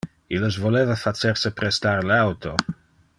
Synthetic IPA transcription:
ilos̬volevafat͡sersepɾest̪aɾleawt̪ʰo

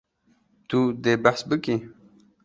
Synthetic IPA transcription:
t̪ud̪ebahsbəki

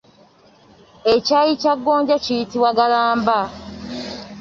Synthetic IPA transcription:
ecajicaɡːoːɲɟacijitiβwaɡalaːmba

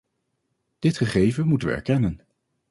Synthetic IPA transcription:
d̥ɪtχəχejvəmutənʋə̰ɛ̰ɹkɛnən

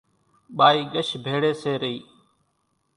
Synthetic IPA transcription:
ɓaːiːɠəʃbʱeːɽeːseːɾəiː

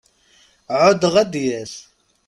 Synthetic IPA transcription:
ʕʊd̪əʁæd̪jæθ

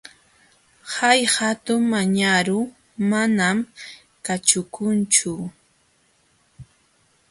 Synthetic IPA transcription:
hajhat̪ʊŋmaɲaɾʊ | manam | kat͡ʃʊkʊnt͡ʃʊ

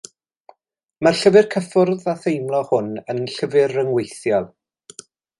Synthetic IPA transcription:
marɬəvɪrkʰəfʊrðaθejmlˠɔhʊnənɬəvɪrəŋwejθjɔlˠ

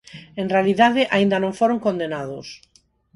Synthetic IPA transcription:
ẽnrealiðaðɪʔaind̪anõɱfoɾoŋkond̪enaðʊs

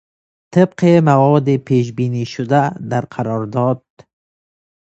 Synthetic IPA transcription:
t̪ɪbqemawɔd̪ɪpeʃ̬biniʃʊd̪ad̪aɾqʰaɾɔɾd̪ɔd̪̚

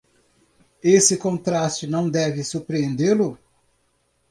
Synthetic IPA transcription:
esɪkõnt̪ɾast͡ʃɪnɐ̃w̃d̪ɛvɪsuɾpɾiẽnd̪elʊ

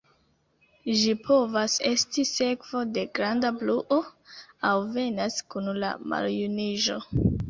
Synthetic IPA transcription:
ʒipʰo̞vase̞stise̞kv̥o̞de̞ɡɾandabluʔoawve̞naskunla̰ma̰ljuniʒo̞

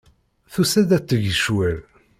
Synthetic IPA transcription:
θusæd̪æt͡sːəʝəʃwæɾ

